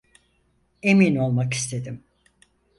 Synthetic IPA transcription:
emino̞lˠmaki̥st̪ʰe̞d̪im

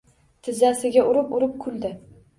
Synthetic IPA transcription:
t̪ʰɪzasɪɡʲaʔʊɾɪpʊɾɪp̚kʰʊld̪ɪ

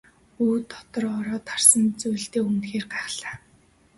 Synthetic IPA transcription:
uːt̪ʰːɔ̥t̪ɞ̆rɔɾɔːt̪ʰarsə̆nt͡sujɮt̪eːunt̪xeːrɢaːχɮaː

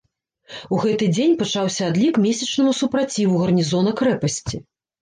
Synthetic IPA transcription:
uɣɛt̪ɨd͡zʲenʲpat͡ʂawsʲɐad̪lʲikmʲesʲɐt͡ʂnɐmusupɾat͡sʲivuɣɐrnʲizɔnɐkɾɛpɐsʲt͡sʲi

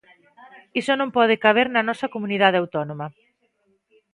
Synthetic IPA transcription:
isonõmpɔð̞ɪkaβ̞eɾnɐnɔsɐkomuniðað̞eawt̪ɔnomɐ

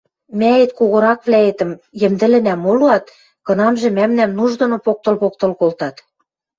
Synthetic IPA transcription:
mæet̪̚koɣɤ̆ɾɑkβlæet̪ə̆mjɘ̆md̪ɘ̆lɘ̆næmoluɑt̪ | kɤ̆nɑmʒĕmæmnæmnuʒd̪ŏnŏpok̚t̪ŏlpok̚t̪ŏlkolt̪ɑt̪

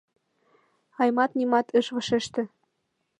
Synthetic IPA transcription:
ɑjmɑt̪nʲimɑt̪ɤ̆ʃβɤ̆ʃeʃt̪ɘ̆

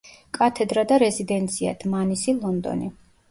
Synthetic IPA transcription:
kʼat̪ʰɛd̪ɾad̪aɾɛzid̪ɛnt̪sʰia̰d̪̥ʰmanisilˠɔnd̪ɔ̰ni

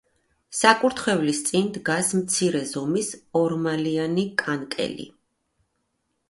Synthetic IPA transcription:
sakʼuɾt̪ʰχɛvlist̪sʼind̪ɡasmt̪sʰiɾɛzɔmisɔɾmalianikʼankʼɛ̰lḭ

